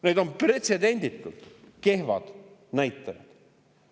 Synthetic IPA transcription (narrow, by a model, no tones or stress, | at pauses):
ned̪̥o̞mpre̞t̪se̞d̪e̞nʲd̪̥ik̪ːˑult̪ | ke̞hvɑd̪̥næjt̪ːˑɑjɑ̰d̪̥